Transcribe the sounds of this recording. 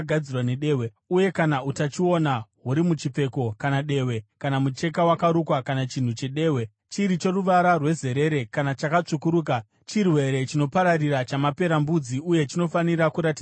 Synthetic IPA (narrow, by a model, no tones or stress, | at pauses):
ɡʱad͡zirwane̞ɗeːwe | uje̞kanautat͡ʃio̞naɦuɾimut͡ʃip͡fe̞ko̞kanaɗe̞we̞kanamut͡ʃe̞kawakaɾukwakanat͡ʃin̤ut͡ʃe̞ɗe̞ːwe̞ | t͡ʃiɾit͡ʃe̞ruʋaɾarwe̞ze̞ɾe̞ɾe̞kanat͡ʃakat͡ʂukuɾuːk̬a | t͡ʃirwe̞ɾe̞t͡ʃino̞paɾariɾat͡ʃamape̞ɾambud͡ziuje̞t͡ʃino̞faniɾakuɾatia